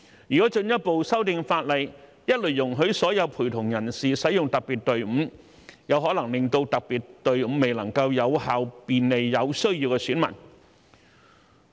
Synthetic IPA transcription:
jyː˨kɔː˨˥t͡ʃɵ˧njɐ˥t̚po˨wsɐ˥wt̪ɪ˧ŋfaː˧t̚lɐ˨j | jɐ˥t̚lɵ˨˩jʊ˨˩ŋɦɵ˨˥ɥsɔː˨˥jɐ˨˧wpʰuː˨˩t̪ʰʊ˨˩ŋjɐ˨˩nsiː˨sɐ˨˥jʊ˨ŋt̪ɐ˨k̚piː˨˩t̚t̪ɵ˨˧ɥm̩ː˨˧˥ | jɐ˨˧wɦɔː˨˥lɐ˨˩ŋlɪ˨ŋt̪o˧wt̪ɐ˨k̚piː˨˩t̚t̪ɵ˨ɥm̩˨˧me˨jlɐ˨˩ŋkɐ˧wjɐ˨˧whaː˨wpiː˨nle˨jːɐ˨˧wsɵ˥ɥjiː˧wkɛ˧syː˨˥nmɐ̰˨˩n

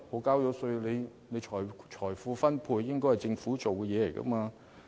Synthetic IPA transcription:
ho˨˥kaː˥wjɔː˨˧sɵ˧ɥne˨˧j | ne˨˧jt͡ʃʰɔː˨˩jt͡ʃʰɔː˨˩jfuː˧fɐ˥npʰuː˧jːɪ˥ŋkɔː˥hjt͡sɪ˧ŋfuː˨˥t͡so˨wkɛ˧jɛː˨˧le˨˩jkɐ̰˧˥maː˧

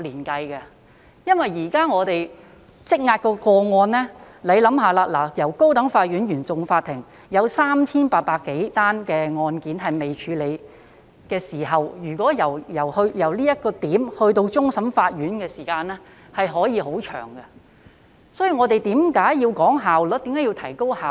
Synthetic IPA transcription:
liː˨˩nkɐ˧jkɐ˧ | jɐ˥nwɐ˨jːiː˨˩kaː˥ŋɔː˨˧t̪e˨j | t͡sɪ˥k̚ŋaː˧t̚kɔː˧kɔː˧ŋɔː˧nlɛː˥ | le˨˧jlɐ˨˥mɦaː˨˧laː˧laː˨˩jɐ˨˩wko˥wt̪ɐ˨˥ŋfaː˧t̚jy˨˥njyː˨˩nt͡sʊ˨ŋfaː˧t̪ʰːɪ˨˩ŋ | jɐ˨˧wsaː˥mt͡sʰiː˥npaː˧t̚paː˧kːe˨˥jt̪aː˥nkɛː˧ŋɔː˧nkiː˨˥nɦɐ˨jme˨jt͡ʃʰyː˨˧le˨˧j | kɛː˧siː˨˩ɦɐ˨wjyː˨˩kʷɔː˨˥jɐ˨˩wjɐ˨˩whɵ˧jɐ˨˩wliː˥jɐ˥t̚kɔː˧t̪iː˨˥mhɵ˧ɥt̪o˧wt͡sʊ˥ŋsɐ˨˥mfaː˧t̚jyː˨˥nkɛː˧siː˨˩kaː˧nlɛː˥ | hɐ˨jɦɔː˨˥jiː˧ɦo˨˥wt͡ʃʰœ̰ː˨˩ŋɡɐ˧ | sɔː˨˥jyː˧ŋɔː˨˧t̪e˨jt̪iː˨˥mkaː˨˥jjiː˧wkɔː˨˥ŋɦaː˨wlɔ˨˥t̪iː˨˥mkaː˨˥ji˧wt̪ʰɐ˨˩jko˥whaː˨w

